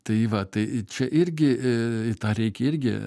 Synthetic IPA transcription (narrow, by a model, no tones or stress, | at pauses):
t̪ɐɪʋɐt̪ɐɪt͡ʃʲɛʔɪɾʲɡʲɪɪt̪ɑːɾʲɛɪkʲɛɪɾʲɡʲɪ̰